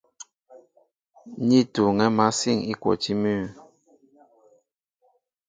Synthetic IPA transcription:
ɲi˦˨tu˨ŋɛ˦ma˦si˦˨ŋi˦kwɔ̰˨ti˦mʉ˦˨

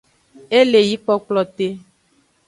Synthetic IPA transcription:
e˦le˨ji˨˦k͡pɔ˦k͡plɔ˨t̪e˦

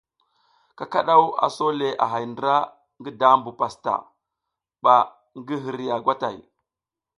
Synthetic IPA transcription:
ka˨ka˦ɗa˦wa̰˨so˦le˨ʔa̰˨ɦa˨jndɾa˦ | ŋɡi˦da˦mbu˨pa˨sta̰˨ | ɓa˨ | ŋɡi˦ɦi˨ɾi˨ja˨ɡʷa˦ta̰˨j

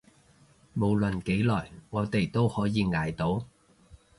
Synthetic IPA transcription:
mo˨˩wlə˨˩nke˨˥jlɔː˨˩jŋɔː˨˧t̪e˨˩jt̪o˥whɔː˨˥jiː˨˧ŋaː˨˧jt̪o˨˥w

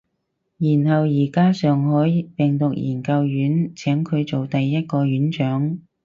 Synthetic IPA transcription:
jiː˨˩nhɐ˨wjiː˨˩kaː˥sœː˨ŋɦɔː˨˥jpɛ˨˩ŋt̪ʊ˨k̚jiː˨˩nkɐ˧wjyː˨˥nt͡sʰɛː˨˥mkʰɵ˨˧ɥt͡so˨wt̪ɐ˨jːɐ˥t̚kɔː˧ɥyː˨˥nt͡ʃœː˨˥ŋ

